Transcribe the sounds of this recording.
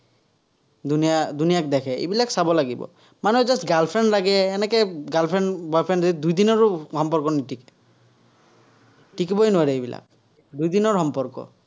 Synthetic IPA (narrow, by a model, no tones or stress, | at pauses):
d̪unijad̪unijak̚d̪ɛkʰɛḛbilaksabɔlaɡibɔ̰ | manuzastɡalpʰɹɛnlaɡɛːnɛkɛɡalpʰɹɛnbɔpʰɹɛnɛd̪ujd̪inɔɹhɔmpɔɹkɔnitikɛ̥ | ʈikibɔjnʊaɾɛebila̰k̚ | d̪ujd̪inɔɹxɔmpɔɹkɔ̰